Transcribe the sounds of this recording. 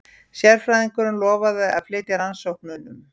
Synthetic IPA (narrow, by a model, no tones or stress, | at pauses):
sjɛɾ̥fɾajðiŋkʏɾʏnlɔːvaðʏaðflɪːt̪ɪɾansowhknʏːnʏm